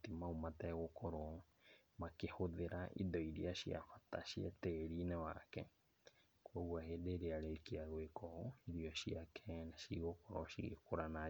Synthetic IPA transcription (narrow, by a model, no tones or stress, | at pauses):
timaumatɛɣokɔɾɔ | makehoðeɾaʔḭðɔiɾiaɕia̰fataʃiḛteɣɾinɛwa̰kɛ | kwoɣwaheːdeːɾeaɾekiaɣwekʰɔɔiɾiɔɕiakʰɛnaʃiɣokɔɾɔɕḭɣḛkoɾana